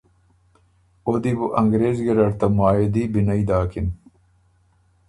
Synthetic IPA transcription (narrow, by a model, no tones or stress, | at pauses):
od̪ibuʔɐŋɡɾeːzɡeɾɐɾt̪ɐmaːjed̪iːbinɐid̪aːkin